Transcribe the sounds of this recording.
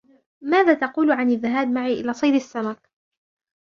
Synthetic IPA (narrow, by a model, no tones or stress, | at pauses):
maːðaːt̪ɑquːlʕanɪðːaɦaːbmaʕiːʔɪlaːsˤɑjd̪asːamak̚